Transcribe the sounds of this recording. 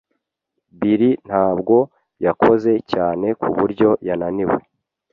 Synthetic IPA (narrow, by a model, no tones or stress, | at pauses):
biɾin̥haːbɡo̞ | jakʰo̞ze̞caːne̞kʰuβuɾɟo̞jananiwḛ